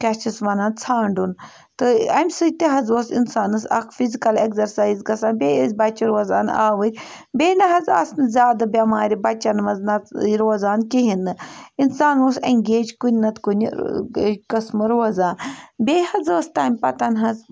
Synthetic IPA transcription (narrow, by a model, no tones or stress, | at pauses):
kɐt͡ʃisʋɐnaːnt͡sʰaːɳɖun | t̪ɨɐ̰mʲsɨt̪eɦɐzosinsaːnɨsɐ̰kʰfizikɐlekzɐɾsaːjzɡɐsaːnbʲeːezʲbɐt͡ʃiɾʋɐza̰ːna̰ːʋɨɾʲ | bʲeːnɐɦɐzɐ̰snɨzʲaːd̪ɐbʲɐmaːɾʲibɐt͡ʃːɐnmɐznɐɾoːzaːnkiɦinɨinsaːnoseŋɡʲeːd͡ʒkunʲnɐt̪kunʲ | kɐsmɨɾʋɐzaːnbʲehɐzəːst̪aːmʲpɐt̪ɐnɦɐz